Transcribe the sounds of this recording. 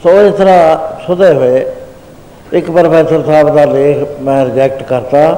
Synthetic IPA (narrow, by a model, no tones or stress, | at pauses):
soːɪst̪əɾaːsʊd̪eːɦoeː | ɪkpəɾpʰɛːsəɾsaːbd̪aːleːkʰmɛ̃ːɾɪd͡ʒɛːk̚ʈkəɾt̪aː